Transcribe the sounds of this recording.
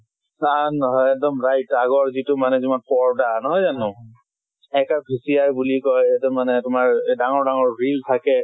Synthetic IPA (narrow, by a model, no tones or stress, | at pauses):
sanːɔɦɔjɛk̚dɔmɹajtaɡɔɹzitʊmanɛziman̚pɔɹdanɔɦɔjzanʊ̃ | ɛkabʰʱisiaɹbulikɔjɛtɔmanɛtʊmaɹdaŋɔɹdaŋɔɹɹiltʰakɛ